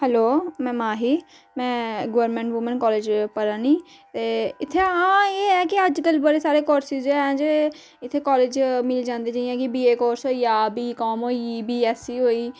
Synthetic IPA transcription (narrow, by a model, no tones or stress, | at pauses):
hɛloːmɛ̃ːmãːɦiː | mɛ̃ːɡəʋəɾmẽːɳʈʋʊmənkɔːleːd͡ʒpəɾãːniː | t̪eːɪt̪ʰːeːãːeːɛːkɪəd͡ʒkəlbəɽeːsaːɾeːkoːɾsɪzd͡ʒɛ̃ːd͡ʒe | ɪt̪ʰːeːkɔːleːd͡ʒmɪliːd͡ʒãːnd̪eːd͡ʒaːiãːkɪbiːeːkoːɾsɦoːiːaːbiːkɔːmɦoːiiːbiːɛːsiːɦoːiː